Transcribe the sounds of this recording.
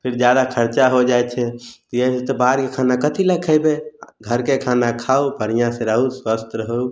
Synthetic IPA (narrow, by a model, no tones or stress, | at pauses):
pʰiɾd͡ʒjad̪akʰəɾt͡ʃaɦod͡ʒajt͡ʃʰɛt̪ɔjəiset̪ɔbaɾkekʰanakət̪ʰiləkʰəjbeɡʱəɾkekʰanakʰaubʱəɾijãsẽɾəɦuswəst̪ɾəɦəu